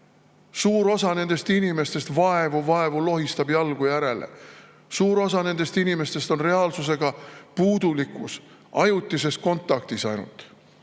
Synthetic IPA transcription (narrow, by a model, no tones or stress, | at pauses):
suːɾo̞sɑne̞nd̪̥e̞st̪inime̞st̪e̞st̪vɑe̞vuvɑe̞vulo̞ɦist̪ɑbjɑlɡ̥ujæɾe̞le̞̰ | suːɾo̞sɑne̞nd̪̥e̞st̪inime̞st̪e̞st̪o̞nre̞ɑlsus̬e̞ɡ̥ɑpuːd̪̥ulikːˑus | ɑjut̪ːˑise̞st̪̚ko̞nt̪ːˑɑkt̪isɑjnṵlt̪ˑ